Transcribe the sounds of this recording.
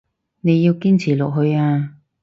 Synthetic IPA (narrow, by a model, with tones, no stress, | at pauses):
ne˨˧jːi˧wkiː˥nt͡sʰiː˨˩lɔ˨k̚ɦɵ˧ɥaː˧